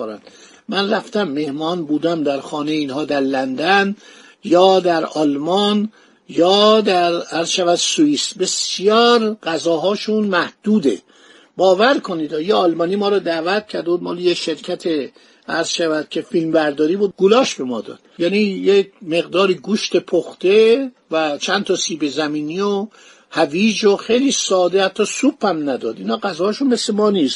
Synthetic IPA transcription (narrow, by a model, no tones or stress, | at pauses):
oɾæ̰nd̪ | mænræft̪æmːe̞hmɒːnbuːd̪æmd̪æɾxɒːnejeiːnhɒːd̪æɾlænd̪æn | jɒːd̪æɾɒːlmɒn | jɒːd̪æɾæɾz̥ʃævæd̪suiːsbe̞sjɒːɾɢæzɒːɦɒːʃunmæhd̪̥uːd̪ḛ | bɒːvæɾkʰoniːd̪ɒːjeɒlmɒːniːmɒːɾɒːd̪æːvæt̪̚cʰæɾd̪ebuːd̪mɒːlejeʃe̞ɾcʰæt̪ʰe | æɾz̥ʃævæd̪̥̚cʰe̞filmbæɾd̪ɒːɾiːboɡulɒːʃbe̞mɒ̰ːd̪ɒ̰ːd̪̥̚jæːnijemeɣd̪ɒːɾiːɡuʃt̪epʰoxt̪e | væt͡ʃʰænt̪ʰɒːsiːbezæmiːniːo | hæviːd͡ʒoxejliːsɒːd̪ehæt̪ʰːɒːsupːæmnæd̪ɒ̰ːd̪inhɒːɡæzɒːhːʃunmeslemɒːniːst̪